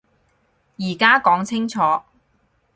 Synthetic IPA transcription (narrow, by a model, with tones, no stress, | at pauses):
jiː˨˩kaː˥kɔː˨˥ŋt͡sʰɪ˥ŋt͡sʰɔː˨˦